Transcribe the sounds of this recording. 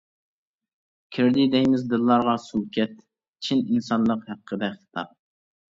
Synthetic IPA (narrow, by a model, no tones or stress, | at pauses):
kʲʰɪɾd̪ɪd̪ɛjmɪzd̪ɨlːɑɾʁɑsulˠkʲɛt̪ | t͡ʃʰininsɑnlˠəqhæqʰːəd̪ɛkχɨ̥t̪ʰɑ̰p̚